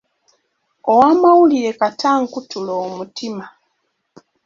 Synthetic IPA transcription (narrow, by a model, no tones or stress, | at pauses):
owaːmawuliɾe̞katʰaːŋkutuloːmutima